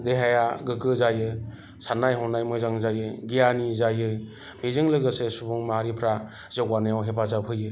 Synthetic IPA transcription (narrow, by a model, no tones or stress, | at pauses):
deɦajaɡɯkɯzajɯ | sanajɦɔnajmɯjzaŋzajɯɡijanizajɯ | bezɯŋlɯɡɯsesubuŋmaɦaɾipʰɾa | zɔkwanɯjawɦepazapʰɯjɯ